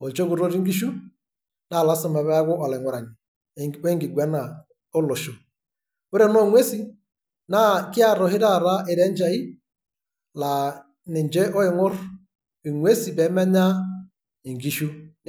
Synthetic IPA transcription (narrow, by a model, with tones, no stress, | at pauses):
o˨d͡ʒo˦ɡu˨ɾo˦ɾi˦ŋɡi˦ʃu˦ | na˦˨la˨˦sa˨ma˨βɛ˦ɡʊ˦ʔa˨lɛ˨ŋʷɔ˦ɾa˨ni˨ | we˦ŋɡi˨ɡwɛ˨˦na˨ | o˦lo˨ʃo˨ | wu˦ɾɛ˦nɔ˦˨˦ŋwe˦si˦ | na˦kɪ˦a˦˨ɾɔ˨hɪ˦da˦˨ɾa˦ɪ˨ɾɛ˦n˦d͡ʒa˨i˦ | la˨ | nɪ˨nd͡ʒɛ˦ɔ˦ɪ˨ŋʊ˦ɾ | i˨ŋwe˦si˨bɛ˨˦mɛ˦ɲa˦ | i˨ŋɡi˦ʃu˦